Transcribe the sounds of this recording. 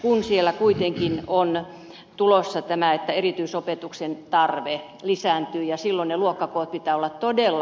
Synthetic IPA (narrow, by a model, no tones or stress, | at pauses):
kunsielːækuit̪eŋkinon | t̪ulosːɑt̪æmæet̪ːæerit̪yisopet̪uksent̪ɑrʋe | lisæˑnt̪yːjɑsilːonneluokːɑkoːt̪̚pit̪æːolːɑt̪t̪odelːɑ